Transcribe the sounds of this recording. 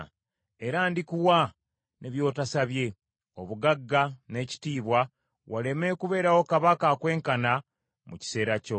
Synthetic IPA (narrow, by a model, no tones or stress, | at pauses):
e̞ɾaːndikuwa | nʔeβjo̞ːtasaβje̞ | o̞βuɡaɡːane̞ci̥tiːβwa | wale̞me̞kuβe̞ːɾawo̞kaβakakwe̞ːŋkana | muci̥se̞ːɾaco̞